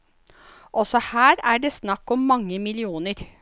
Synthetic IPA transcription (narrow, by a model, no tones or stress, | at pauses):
ʔɔsɔhæːɾæːɖeːsnɑkːɔmːɑŋːəmɪlɪuːnəɾ